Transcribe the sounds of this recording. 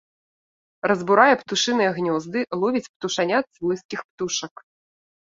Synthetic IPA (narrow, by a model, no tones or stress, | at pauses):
rɐzbuɾajɛpt̪uʂɨnɨjɛɣnʲɔzd̪ɨlˠɔvʲit͡sʲpt̪uʂanʲat̪svɔjskʲixpt̪uʂɐk